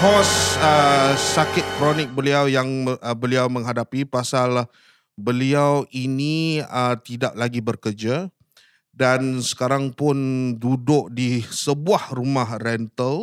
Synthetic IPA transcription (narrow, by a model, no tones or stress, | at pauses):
hɔsəːakɪt̪̚kɾɔnɪk̚bəliawjaŋbəliawmə̃ŋɦadapipasal | bəliawiniət̪idaʔlaɡibərkərd͡ʒa | dansə̥kaɾaŋpʊndudʊʔ̚disəbuahrumahrɛnt̪əl